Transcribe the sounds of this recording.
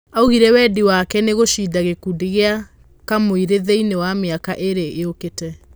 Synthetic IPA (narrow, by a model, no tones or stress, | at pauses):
auɣiɾɛwɛdiwakɛneɣoʃidaɣekudiɣea | kamoiɾeðeinewameakaʔeɾeʔːoketɛ